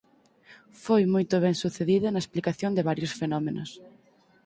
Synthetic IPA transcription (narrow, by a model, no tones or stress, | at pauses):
fojmojt̪ʊβ̞ɛŋsuθeðiðʊnɐesplikaθjond̪eβaɾjʊsfenɔmenʊs